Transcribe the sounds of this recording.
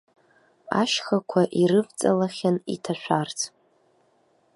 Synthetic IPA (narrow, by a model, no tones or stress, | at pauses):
a̰ʃχakʷʰaʔiɾɨvt͡sʼalaχʲanḭtʰaʃᶣʷart͡sʰ